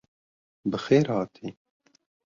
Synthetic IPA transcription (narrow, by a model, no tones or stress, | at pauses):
bɨxeːɾhɑːt̪ʰiː